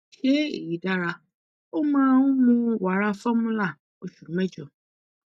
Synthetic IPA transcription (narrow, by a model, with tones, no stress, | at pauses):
ʃe˦ḛ˨ji˨da˦ɾa˨ | o˦mã˦wʊ̃˦mũ˦wa˨ɾa˦fa˦mũ˦la˦˨ | o˨ʃu˨mɛ̃˦d͡ʒɔ˨